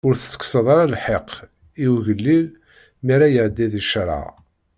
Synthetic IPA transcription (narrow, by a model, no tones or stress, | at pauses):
ʊɾθət͡sːə̥kːsəðˤɑɾˤaɑlħeq | iwʝəlːil | miɾæjəʕd̪ːiðiʃɾˤɑ̰